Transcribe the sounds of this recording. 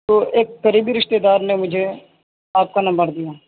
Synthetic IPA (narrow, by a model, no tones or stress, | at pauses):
t̪oːʔekːəɾiːbiːɾɪʃt̪eːd̪aːɾnemʊd͡ʒʱe | aːp̚kanɐmbəɾd̪ijaː